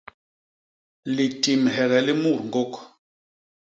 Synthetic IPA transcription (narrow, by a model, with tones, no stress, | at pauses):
li˨ti˨mɦɛ˨ɣɛ˨li˦mu˦˨ɾŋ˨ɡo˦k